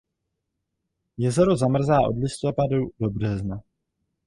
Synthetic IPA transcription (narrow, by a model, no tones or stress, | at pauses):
jɛzɛɾuzamr̩zaːʔo̞̰dlɪst̪o̞padudo̞brɛzna